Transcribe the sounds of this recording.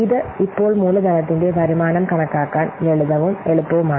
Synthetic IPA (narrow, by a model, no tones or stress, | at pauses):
ɪðɐɪpːoːɭmuːlɐd̪ɐnɐt̪̬ːɪndeːʋɐɾɪmaːnɐmkɐɳɐkːaːkːaːnɛɭɯðɐʋɯmɛɭɯpːɐʋɯmaː